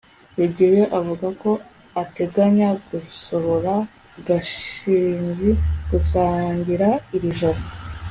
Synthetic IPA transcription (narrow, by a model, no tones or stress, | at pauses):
weɟijeʔavuɡako̞ | ate̞ɡaɲaɡuso̞βo̞ɾa | ɡaʃiːɲziɡ̥usaːɲɟiɾaiɾiʒaɾa